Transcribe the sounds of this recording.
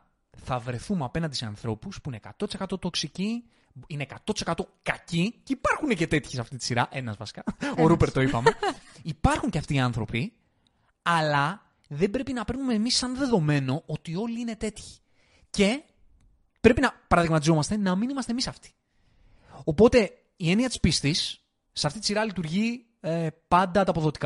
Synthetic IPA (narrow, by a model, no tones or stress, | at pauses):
θɐvɾe̞θumeɐpe̞nɐnd̪iseɐ̰nθɾo̞puspuinekɐt̪ot̪ise̞kɐt̪o̞t̪o̞ksici | ine̞kɐt̪o̞t̪isekɐt̪o̞kɐciceipɐɾxunece̞t̪e̞t̪çisɐft̪it̪i̥siɾɐʔe̞nɐzvɐsi̥kɐoɾupeɾt̪o̞ipɐmeipɐɾxuɲceɐft̪iːɐnθɾo̞pi | ɐlɐ | ðe̞mbɾe̞pinɐpeɾnume̞ːmisːɐnðe̞ðo̞me̞no̞ot̪io̞liine̞t̪e̞t̪çi̥ | ce̞ | pɾe̞pinɐpɐɾɐðiɣmɐt̪izo̞mɐst̪e̞nɐminimɐst̪emisɐft̪i̥ | o̞po̞t̪e̞ | ie̞niɐt̪i̥spist̪isː | eɐft̪it̪isiɾɐlit̪uɾʝi | epɐnd̪ɐt̪ɐːpo̞ðo̞t̪i̥kɐ